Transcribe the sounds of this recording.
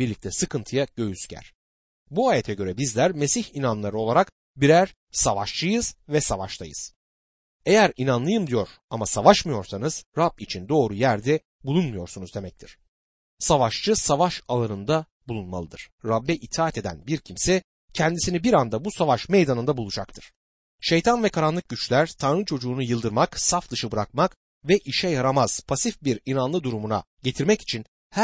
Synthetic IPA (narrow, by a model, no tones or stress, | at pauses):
biɾlʲic̚t̪ʰɛsɯkʰɯnt̪ʰɯjaɟ̥ø̞jyscʰæ̰ɾ̥ | buaːjet̪ʰɛɟø̞ɾɛbizlʲæɾme̞siçinanlˠaɾɯo̞lˠaɾak | biɾæɾ̥ | savaʃt͡ʃʰɯjɯz̥vɛsavaʃt̪ʰajɯ̰z̥ | e̞jæɾinanlˠɯjɯmd̪ijo̞ɾ̥amasavaʃmɯjo̞ɾsanɯz̥ɾab̚it͡ʃʰind̪o̞ːɾujæɾd̪ɛ | bulˠunmujo̞ɾsunuzd̪e̞mɛc̚t̪ʰiɾ̥ | savaʃt͡ʃɯsavaʃalˠanɯnd̪a | bulˠunma̰lˠɯd̪ɯɾ̥ːabːɛʔit̪ʰaːt̪ʰe̞d̪æ̰nbiɾcʰimsɛ | cʰɛnd̪isinibiɾand̪abusavaʃme̞jd̪anɯnd̪abulˠud͡ʒak̚t̪ʰɯɾ̥ | ʃe̞jt̪ʰanvɛkʰaɾanlˠɯk̚ɟyt͡ʃlʲæɾ̥t̪ʰanɾɯt͡ʃʰo̞d͡ʒuːnujɯlˠd̪ɯɾmaksafd̪ɯʃɯbɯɾakmak | vɛʔiʃɛjaɾamaz̥pʰasifbiɾinanlˠɯd̪uɾumuna̰ɟe̞t̪ʰiɾmɛci̥t͡ʃʰin | hæ